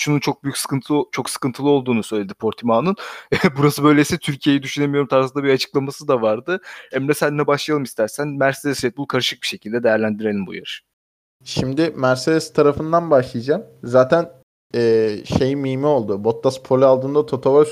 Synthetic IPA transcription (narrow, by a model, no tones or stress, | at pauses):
ʃununt͡ʃʰo̞k̚byjycʲsɯ̥kʰɯnt̪ʰlˠt͡ʃʰo̞ksɯ̥kɯnt̪ʰɯlˠɯo̞lˠd̪uːnusøjlʲed̪ipʰo̞ɾt̪ʰimanɯnbuɾasɯbø̞jlʲeisɛt̪ʰyɾcʰije̞jid̪yʃyne̞mijo̞ɾumt̪ʰaɾsɯnd̪abiat͡ʃʰɯ̥klˠamasɯd̪avaɾd̪ɯɛmlɛsænːɛbaʃlˠajalˠɯmist̪ʰæɾsænmæɾsed̪ɛsvet̪̚bulˠkʰaɾɯʃɯk̚biʃe̞cʰilʲd̪ɛd̪e̞jæɾlʲænd̪iɾe̞lʲimbṵja̰ɾ̥ | ʃimd̪ɪmæɾsed̪ɛst̪ʰaɾafɯnd̪anbaʃlˠijad͡ʒamzaːt̪ʰæn | ɛːʃe̞jimiːmio̞lˠd̪ubo̞t̪ːaspʰolʲɛalˠt̪ʰɯnd̪at̪ʰo̞t̪ʰova